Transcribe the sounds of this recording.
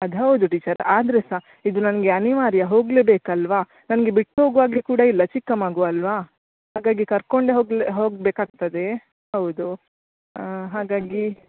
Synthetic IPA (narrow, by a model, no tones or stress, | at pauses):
ɐd̪ɦɐwd̪uʈiːt͡ʃɐɾaːd̪ɐɾesa | id̪unɐnɐɡeɐniʋaːɾjɐɦo̞ːɡle̞ːbeːkɐlʋaː | nɐnɐɡe̞biʈːɦo̞ːɡʋaːɡekuːɽɐilːɐt͡ʃikːɐmaːɡoɐlʋaː | ɦaːɡaːɡikɐɾko̞ɳɖeɦoːɡɦoːɡbeːkaːɡ̚t̪ɐd̪e̞ | ɦɐwud̪u | ɦaːɡaːɡi